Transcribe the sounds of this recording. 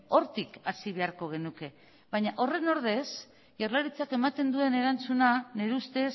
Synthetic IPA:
o̞ɾt̪ikasiβ̞e̞aɾko̞ɣ̞e̞nuke̞ | βaɲaʔo̞re̞no̞ɾðe̞s | ʝaɾlaɾit͡sake̞mat̪e̞nd̪ue̞ne̞ɾant͡sunane̞ɾust̪e̞s

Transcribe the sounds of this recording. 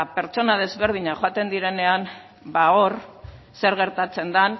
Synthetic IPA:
pe̞ɾt͡so̞naðe̞zβe̞ɾð̞iɲaxoat̪e̞nd̪iɾe̞ne̞an | baoɾ | se̞ɾɣ̞e̞ɾt̪at͡se̞nd̪an

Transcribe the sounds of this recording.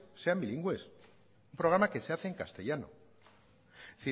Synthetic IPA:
se̞ambiliŋɡwe̞s | umpɾo̞ɣ̞ɾamake̞seaθeːŋkast̪e̞ʝano̞̰ | θi

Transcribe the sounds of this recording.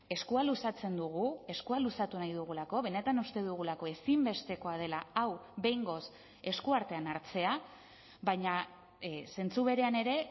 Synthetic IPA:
e̞skualusat͡se̞nd̪uɣ̞ue̞skualusat̪unajðuɣ̞ulako̞βe̞ne̞t̪anust̪e̞ðuɣ̞ulako̞e̞simbe̞st̪e̞ko̞að̞e̞laawβe̞jŋɡo̞s | e̞skuaɾt̪e̞anaɾt͡se̞a | βajɲa | se̞nt͡suβe̞ɾe̞ane̞ɾe̞

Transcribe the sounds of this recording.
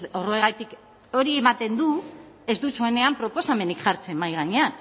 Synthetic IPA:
oroeɣajt̪ik | o̞ɾie̞mat̪e̞nd̪u | e̞zd̪usoene̞ampɾo̞po̞same̞nikʝaɾt͡se̞majɣ̞aɲean

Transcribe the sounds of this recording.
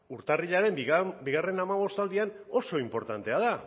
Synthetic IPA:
uɾt̪ariʎaɾe̞mbiɣare̞namaβo̞st̪ald̪ian | o̞so̞impo̞ɾt̪ant̪e̞aða

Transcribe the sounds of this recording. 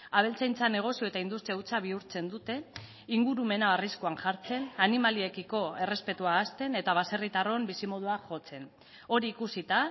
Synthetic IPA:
aβ̞e̞lt͡sajnt͡sane̞ɣ̞o̞sioet̪aind̪ust̪ɾiaut͡saβ̞iuɾt͡se̞nd̪ut̪e̞ | iŋɡuɾume̞naːriskuanʝaɾt͡se̞nanimalie̞kiko̞e̞re̞spe̞t̪uaːst̪e̞ne̞t̪aβ̞ase̞rit̪aro̞mbisimo̞ð̞uaʝo̞t͡se̞n | o̞ɾiːkusit̪a

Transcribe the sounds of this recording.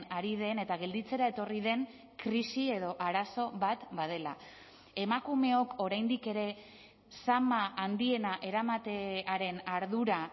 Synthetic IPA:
aɾiðe̞ne̞t̪aɣe̞ld̪it͡se̞ɾae̞t̪o̞riðe̞ŋ | kɾisie̞ðo̞ʔaɾaso̞βat̪βað̞e̞la̰ | e̞makume̞o̞ko̞ɾajnd̪ike̞ɾe̞ | samaʔand̪ie̞naʔe̞ɾamat̪eaɾe̞naɾðuɾa

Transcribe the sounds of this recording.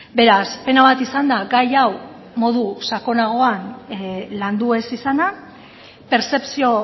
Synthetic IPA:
be̞ɾaspe̞naβat̪isand̪aɡajaw | mo̞ð̞usako̞naɣ̞o̞anland̪ue̞sisana | pe̞ɾt͡se̞psio̞

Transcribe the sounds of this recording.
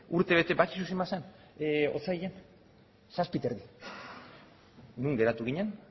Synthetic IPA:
uɾt̪e̞β̞e̞t̪e̞bakisusimasen | ot͡saijʎen | saspit̪eɾði | nuŋɡe̞ɾat̪uɣ̞iɲen

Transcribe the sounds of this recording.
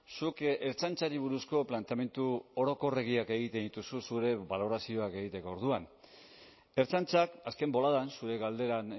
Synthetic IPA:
sukeɾt͡sant͡saɾiβ̞uɾusko̞plant̪eame̞nt̪uoɾo̞ko̞re̞ɣ̞iake̞ɣit̪end̪it̪ususuɾe̞βalo̞ɾasio̞ake̞ɣit̪e̞ko̞ːɾð̞uan | e̞ɾt͡sant͡sakaske̞mbo̞laðansuɾe̞ɣald̪e̞ɾan

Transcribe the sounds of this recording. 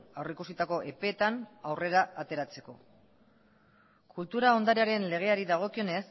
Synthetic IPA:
awreikusit̪ako̞ʔe̞pe̞ːt̪anawre̞ɾaʔːt̪e̞ɾat͡se̞ko̞̰ | kult̪uɾao̞nd̪aɾiaɾe̞nle̞ɣ̞e̞aɾiðaɣ̞o̞kio̞ne̞s

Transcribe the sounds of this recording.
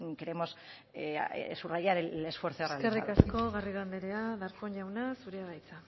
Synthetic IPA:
keɾe̞mo̞s | surajaɾele̞sfwe̞ɾθoraskerikasko̞ɣariɣand̪eɾeaðaɾkoɲʝawnasuɾeaβajt͡sa

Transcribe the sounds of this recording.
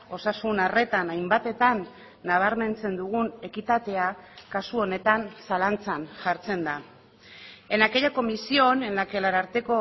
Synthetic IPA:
o̞sasunare̞t̪anajmbat̪e̞t̪anː | aβ̞aɾme̞nt͡se̞nd̪uɣ̞une̞kit̪at̪e̞akasuo̞ne̞t̪ansalant͡sanʝaɾt͡se̞nd̪a | e̞nake̞jako̞misio̞ne̞nake̞laɾaɾt̪e̞ko̞

